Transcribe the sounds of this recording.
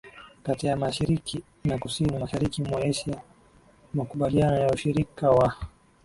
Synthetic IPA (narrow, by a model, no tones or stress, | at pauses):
katijamaʃiɾiki | nakusinimaʃaɾikimwaɛʃia | makuɓalianɔjauʃiɾikawa